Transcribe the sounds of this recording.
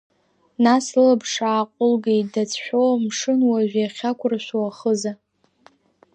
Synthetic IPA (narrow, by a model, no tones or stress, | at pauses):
nasɨlabʂaːqʷʼʊlɡejtdat͡sʰħʷᶣomʂɨnwaʒᶣaχʲakʷʰʊrʃʷwaχəza